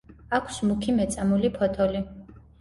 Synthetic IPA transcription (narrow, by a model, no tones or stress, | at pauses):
akʷʰsmukʰimɛt̪sʼamulipʰɔt̪ʰɔli